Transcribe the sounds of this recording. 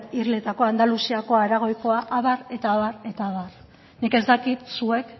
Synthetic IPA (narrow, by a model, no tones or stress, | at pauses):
irle̞t̪ako̞and̪alusiako̞aeɾaɣo̞jko̞aʔaβaɾe̞t̪aːβare̞t̪aːβar | nike̞zd̪akit̪sue̞k